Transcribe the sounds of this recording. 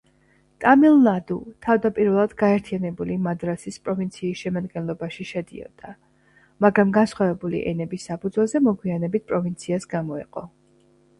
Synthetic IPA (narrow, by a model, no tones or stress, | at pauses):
t̪ʼamilˠnad̪ṵt̪ʰavd̪apʼiɾvɛlˠad̪ɡaɛɾt̪ʰianɛbulimad̪ɾasispʼɾɔvint̪sʰiːsʃɛmad̪ɡɛnlˠɔbaʃiʃɛd̪ḭɔ̰d̪̥a | maɡɾamɡansχwavɛbulḭʔɛnɛbisːapʰud̪zwɛlˠzɛmɔɡwianɛbit̪̚pʼɾɔvint̪sʰiasɡamɔɛ̰qʼɔ